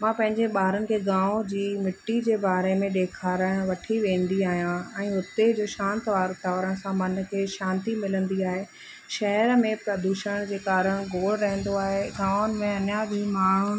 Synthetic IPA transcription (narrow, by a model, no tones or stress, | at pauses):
mãːpɐ̃ɦɪ̃ɲd͡ʑeɓaːɾənɪ̆kʰeːɡãːod͡ʑiːmɪʈːid͡ʑeːbaːɾemẽɗeːkʰaːɾəɽ̃ʋɐʈʰiʋẽːn̆d̪iaːɦijãɛ̃ːʊt̪ed͡ʑoːʃãːnt̪ʋaːɾʊt̪aːʋəɾəɽ̃ɪ̆sãmɐn̆kʰeːʃãːnt̪imɪlə̃nd̪iaːɦe | ʃɐɦəɾmẽpɾɐd̪uːʃəɽ̃d͡ʑeːkaːɾəɽ̃ɡoːɽɾɐɦə̃n̆d̪oaːɦeɡãːnɪ̆mẽɐnabĩːmaːɳ̤ʊɽ